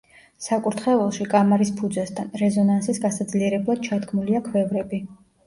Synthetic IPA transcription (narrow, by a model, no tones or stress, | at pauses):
sakʼuɾt̪ʰχɛvɛlˠʃikʼamaɾispʰud̪zɛst̪ʰanɾɛzɔnansisɡasad̪zliɛɾɛblˠad̪̥̚t͡ʃʰad̪ɡʰʼmuliakʰvɛvɾɛbi